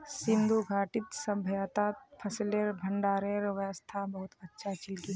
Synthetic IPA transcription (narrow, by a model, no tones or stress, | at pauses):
sɪ̃nd̪ʱuɡʱaːʈɪt̪sɐbʱəjaːt̪at̪pʰɐsleɾbʱəɳɖaːɾeɾʋəəst̪ʰabɐɦʊt̪ɐtːʃʰat͡ʃɪlki